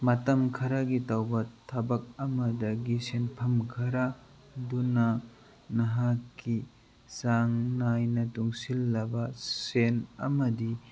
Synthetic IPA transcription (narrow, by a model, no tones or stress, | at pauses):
mɐtɐmkʰɐɾaɡitawbɐtʰɐbɐk̚ɐmɐdɐɡisenpʰɐmkʰɐɾa | dunɐ | nɐɦakːi | saŋnajnɐtuŋsilːɐbɐsenɐmɐdi